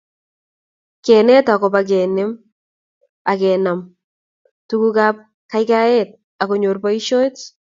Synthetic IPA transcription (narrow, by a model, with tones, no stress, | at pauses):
kɛː˨nɛ˦ta˨kɔbak̬ɛ˨nɪ˦m | akɛ˨nam | tu˦kukap̚ | ka˦jkaɛ˦t̚ | a˨koɲorba˦iʃo˦jt